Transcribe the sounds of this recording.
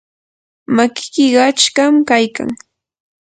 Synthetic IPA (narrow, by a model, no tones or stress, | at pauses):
makɪ̥kɪɢɑt͡ʃkamkajka̰ŋ